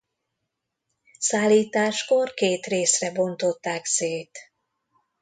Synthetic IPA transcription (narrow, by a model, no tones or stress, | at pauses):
saːlːiːt̪aːʃko̞rkeːt̪reːsrɛbo̞nt̪o̞t̪ːaːkseːt̪